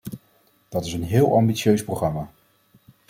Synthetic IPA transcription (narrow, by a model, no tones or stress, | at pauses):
d̥ɑtɪsənɦɪːlˠʔɑmbit͡ʃjøɥsproχrɑmaː